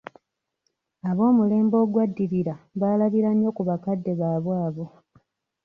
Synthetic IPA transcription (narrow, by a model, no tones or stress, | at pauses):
aβo̞ːmule̞ːmbo̞ːɡwadːiɾiɾaβaːlaβiɾaɲjo̞kuβakadːe̞βaːβwaːβo